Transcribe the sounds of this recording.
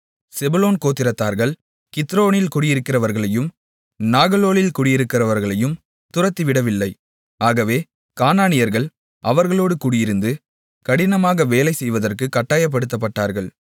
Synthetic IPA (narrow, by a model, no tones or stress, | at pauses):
sɛbʊloːnkoːt̪ːɪɾɐt̪ːaːɾɣɐɭ | kɪt̪ːɾoːɳɪlkʊɽɪjɪɾɯkːɪrɐʋɐɾɣɐɭɐjɯm | naːɣɐloːlɪlkʊɽɪjɪɾɯkːɪrɐʋɐɾɣɐɭɐjɯm | t̪ʊrɐt̪ːiʋɪɽɐʋɪlːɐɪ | aːɣɐʋeː | kaːnaːɳɪjɐɾɣɐɭ | ʔɐʋɐɾɣɐɭoːɽɯkuːɽɪjɪɾɯnd̪ɯ | kɐɽɪnɐmaːɣɐʋeːlɐɪsɛjʋɐðɐrkɯkːɐʈːaːjɐp̬ːɐɽɯt̪̬ːɐp̬ːɐʈːaːɾɣɐɭ